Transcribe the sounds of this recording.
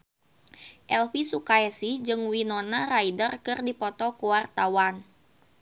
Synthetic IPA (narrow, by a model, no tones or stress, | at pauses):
ʔɛlfisukaɛsid͡ʒɨŋwinɔnaraidərkɨrdipɔt̪ɔkuwart̪awan